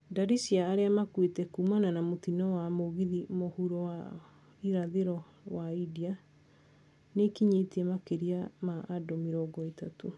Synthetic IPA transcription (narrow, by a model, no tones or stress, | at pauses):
daɾisiaːɾeamakwetɛkumananamotinɔwamoɣiðimohuɾɔa | iɾaðeɾɔ | waidia | nekiɲetɛmakeɾiamaʔːdɔmeɾɔɡɔetato